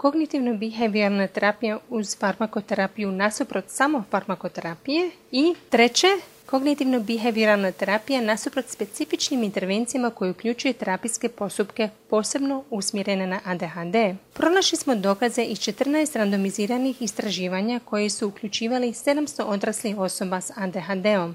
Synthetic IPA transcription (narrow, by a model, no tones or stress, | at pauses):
ko̞ɡnit̪iʋnobiɦeʋiɾalnat̪e̞ɾapijauz̥faɾmako̞t̪eɾapijunasupɾo̞t̪samo̞faɾmako̞t̪e̞ɾapije̞ | it̪ɾe̞t͡ɕe̞ | ko̞ɡnit̪iʋnobiɦeʋiɾalnat̪eɾapijanasupɾo̞t̪spe̞t̪sifit͡ʃnimint̪e̞ɾʋe̞nt̪sijamako̞jeukʎut͡ʃujet̪eɾapiske̞po̞st̪upke̞po̞ːse̞bno̞usmje̞ɾe̞nenaʔad̪e̞ɦad̪e̞ːpɾo̞noʃlismo̞d̪o̞kaze̞ʔist͡ʃe̞t̪r̩naest̪ɾand̪o̞miziːɾanixist̪ɾaʒiːʋaɲako̞jesuukʎut͡ʃiːʋalise̞d̪amst̪o̞ʔo̞d̪ɾaslixo̞so̞basad̪eɦad̪e̞o̞m